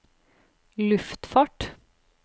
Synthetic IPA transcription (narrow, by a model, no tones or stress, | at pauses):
lʉft̪fɑːʈ